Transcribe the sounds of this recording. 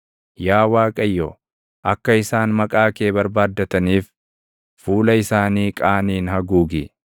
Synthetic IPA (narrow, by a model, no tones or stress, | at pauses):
jaːwaːkʼɐjːo | ʔɐkːɐɪsaːnmɐkʼaːke̞ːbɐɾbaːd̪ːɐt̪ɐniːf | fuːlɐɪsaːniːkʼaːniːnhɐɡuːɡɪ